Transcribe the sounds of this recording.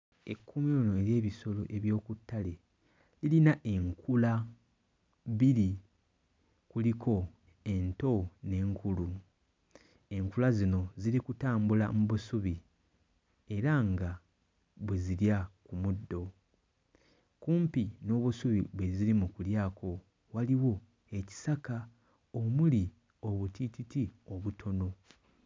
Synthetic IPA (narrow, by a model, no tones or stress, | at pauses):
e̞̰kʰːumilunoeɾje̞ːβiso̞lo̞̰ʔe̞βjo̞ːkutːale̞ | lilinaʔe̞ŋkʰula | βiɾi | kulikʰo̞ | e̞nto̞ne̞ːŋkulu | e̞ŋkulazino̞ziɾikutaːmbula̰muβusuβi | e̞ɾaŋɡa | βweziɾjakumudːo̞ | kuːmpino̞ːβusuβḭβweziɾimukuljaːkʰo̞ | waliwo̞ | e̞ci̥saka | omuli | o̞βutititio̞βutʰo̞no̞